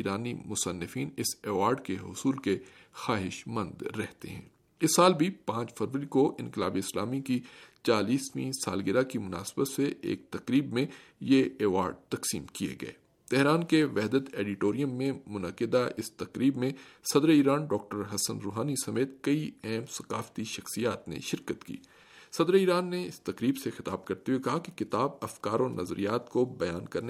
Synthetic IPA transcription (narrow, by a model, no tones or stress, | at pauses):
iːɾaːnimʊsənːɪfiːnɪsɛːʋaːɾɖkeɦʊsuːlkexaːɦɪʃmɐ̃nd̪ɾɛɦt̪ḛɦɛ̰̃ː | ɪsːaːlbʱipãːt͡ʃfɐɾʋəɾikoʔɪ̃nkɪla̰ːbeɪslaːmikit͡ʃaːliːsmĩsa̰ːlɡɪɾakimʊna̰ːsɪbət̪seʔḛːk̚t̪ɐqɾiːbmẽjeɛːʋaːɾɖ̚t̪ɐqsiːmkiḛɡɐ̰ḛː | t̪ɛɦɾaːnkeʋɛɦd̪ət̪eːɖɪʈoːɾijə̃mːẽmʊnɐqɪd̪aʔɪst̪ɐkɾiːbmẽsɐd̪ɾiːɾaːnɖɔːk̚ʈəɾɦɐsə̃nɾoːɦaːnisɐmeːt̪̚kɐiɛɦmsɐ̥qaːft̪iʃɐxsijaːt̪nḛ̃ʃɪɾkət̪kḭː | sɐd̪ɾiːɾaːnːeɪst̪ɐqɾiːbsexɪt̪aːb̚kɐɾt̪eɦuwekɐɦakekɪt̪aːbɐfkaːɾɔːɾnɐzɾḭjaːt̪kobɐjaːnkɐɾne